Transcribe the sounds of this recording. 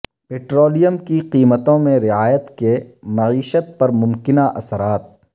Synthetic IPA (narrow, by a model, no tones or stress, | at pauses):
peːʈɾoːlijəmkiqiːmət̪õmẽɾɪaːjət̪kemɐʕiːʃət̪̚pɐɾmʊ̃mkɪnaʔɐsəɾaːt̪̚